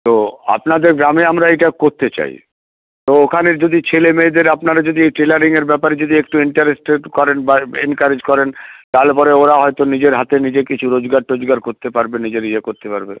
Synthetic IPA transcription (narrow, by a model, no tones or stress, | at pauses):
t̪oa̰pnad̪eɾɡɾameamɾaejʈakoɾt̪et͡ɕa̰j̰ | t̪ookʰaneɾd͡ʑod̪it͡ɕʰelemeːd̪eɾapnaɾad͡ʑod̪iejʈelaɾiŋeɾbɛpaɾed͡ʑod̪iek̚ʈuiɳʈaɾesʈeʈkɔɾenbaḛnkaɾed͡ʑkɔɾent̪alpɔɾeoɾaɦɔjt̪onid͡ʑeɾɦat̪enid͡ʑekit͡ɕʰuɾod͡ʑɡaɾʈɾod͡ʑɡaɾkoɾt̪epaɾbenid͡ʑeɾid͡ʑekoɾt̪epaɾbe